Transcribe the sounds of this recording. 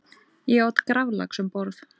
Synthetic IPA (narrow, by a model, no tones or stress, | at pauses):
jɛawt̪kɾavla̰ksɛmpɔɾθ